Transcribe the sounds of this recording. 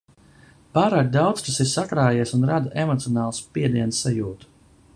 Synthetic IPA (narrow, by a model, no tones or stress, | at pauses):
paːɾaːk̚d̪awt̪st̪asiɾsakɾaːjiɛsunɾad̪uʔemɔt̪sijɔnaːlˠspiɛd̪iɛnsːajuːt̪u̥